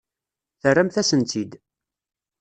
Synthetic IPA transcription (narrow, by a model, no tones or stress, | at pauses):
θərːæmθæsənt̪id̪